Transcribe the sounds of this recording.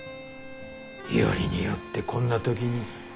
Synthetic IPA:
ḭo̰ɾʲiɲijo̞t̪ːe̞kʰõ̞nːat̪o̞k̬ʲiɲ̟i

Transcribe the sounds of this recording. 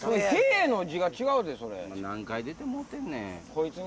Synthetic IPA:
sonokeːeno̞d͡ʑiɡat͡ɕiɡaɯ̟d̪eso̞ɾḛmanãŋkaid̪et̪emot̪ːennḛko̞it͡sɨɲ

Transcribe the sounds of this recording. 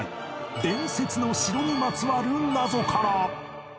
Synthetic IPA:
id̪ẽ̞ɰ̃se̞t͡sɨno̞ɕiɾoɲ̟imat͡sɨβaɾɯ̟̃nːazo̞kʰaɾa

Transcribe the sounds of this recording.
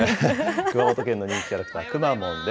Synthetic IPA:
kɯmaot̪okenːo̞ɲ̟ĩŋkʲi̥kʲaɾakɯ̟̥t̪aːkɯ̟mamõnd̪e

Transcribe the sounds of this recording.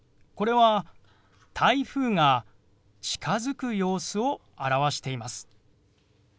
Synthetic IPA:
ko̞ɾe̞βa | t̪ʰaiɸɯːŋa | t͡ɕi̥kʰazɨkɯ̟jo̞ːsɨo̞ | aɾaβaɕi̥t̪e̞imasɨ̥

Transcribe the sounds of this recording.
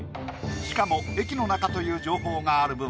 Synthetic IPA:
ɕi̥kamo̞e̞kʲino̞nakat̪o̞jɯ̟ːd͡ʑo̞ːɦo̞ːɡaːɾɯ̟bɯ̃

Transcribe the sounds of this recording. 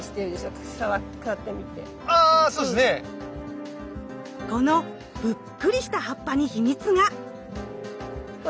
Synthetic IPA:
i̥t̪eɾɯd̪eɕok | saβakat̪ːemʲit̪ḛ | aːsoːesne | ko̞no̞ | b̥ɯ̟kːɯ̟ɾʲiɕi̥t̪aɦapːaɲ̟içimʲit͡sɨɡa

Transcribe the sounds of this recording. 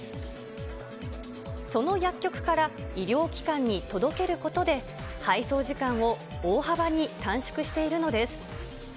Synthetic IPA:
so̞no̞jakʲːo̞kɯ̟̥kaɾaiɾʲo̞ːkʲi̥kãɲ̟ːit̪o̞d̪o̞ke̞ɾɯ̟ko̞t̪o̞d̪e̞ | haiso̞ːʑikãɰ̃o̞ | oːhabaɲ̟it̪ãɰ̃ɕo̥kɯ̟ɕi̥t̪e̞iɾɯ̟no̞d̪e̞sɨ̥

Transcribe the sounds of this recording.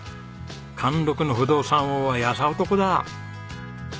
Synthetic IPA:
kʰãnd̪o̞kɯ̟no̞ɸɯ̟d̪o̞ːsãɰ̃oːβajasaot̪o̞ko̞d̪a

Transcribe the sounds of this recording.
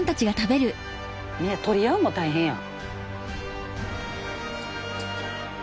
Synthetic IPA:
nt̪at͡ɕiɡat̪abe̞ɾɯ̟ | mit̪o̞ɾʲijaɯmot̪aiɦẽɰ̃ja̰

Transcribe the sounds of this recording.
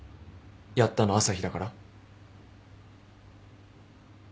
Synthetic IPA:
jat̪ːano̞asaçid̪akaɾa

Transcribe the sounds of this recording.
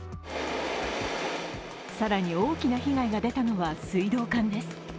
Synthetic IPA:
saɾaɲ̟io̞ːkʲinaçiɡaiɡad̪e̞t̪ano̞βasɨid̪o̞ːkãnd̪e̞sɨ̥

